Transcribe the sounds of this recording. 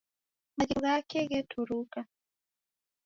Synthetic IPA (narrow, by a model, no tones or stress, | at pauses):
maɟiɣakɛɣɛtʰuɾuka